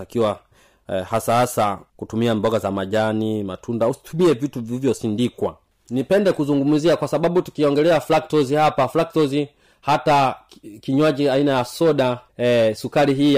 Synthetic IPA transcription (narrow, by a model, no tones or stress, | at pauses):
akiwa | hasahasakutumiambɔɡazamaʄanima̰tʰundausi̥tumiɛvituvivjɔsindikwa̰ | nipɛndɛkuzuŋɡumuziakwasaɓaɓutu̥kiɔŋɡɛlɛaflak̚tɔzihapaflak̚tɔzi | hata | kiɲwad͡ʒiainajasɔɗasukaɾiɦiː